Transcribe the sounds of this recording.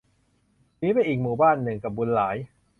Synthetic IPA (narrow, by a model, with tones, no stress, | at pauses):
niː˦˥pa˧jʔiː˨˩k̚muː˨˩baː˥˩nːɯ˨˩ŋka˨˩bu˧nlaː˩˦j